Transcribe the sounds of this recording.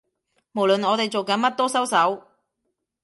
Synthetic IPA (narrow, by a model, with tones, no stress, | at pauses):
mo˨˩wlɵ˨nɔː˨˧t̪e˨jt͡so˨wkɐ˨˧˥nmɐ˥t̚t̪ɔː˥sɐ˥wsɐ˨˥w